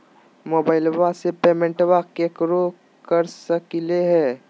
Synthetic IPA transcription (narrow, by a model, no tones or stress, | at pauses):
moːbaːɪlʋasepeːmɛ̃ɳʈʋakekɾo | kəɾsəkleɦɛː